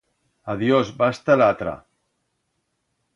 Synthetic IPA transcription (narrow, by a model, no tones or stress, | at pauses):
aðjozbast̪alat̪ɾa̰